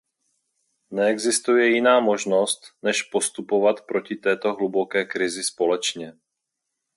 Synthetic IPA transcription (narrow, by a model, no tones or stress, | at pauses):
nɛɛɡzɪst̪ujɛjɪnaːmo̞ʒno̞st̪nɛʃpo̞st̪upo̞vat̪pɾo̞cɪt̪ɛːt̪o̞ɦlubo̞kɛːkɾɪzɪspo̞lɛt͡ʃɲɛ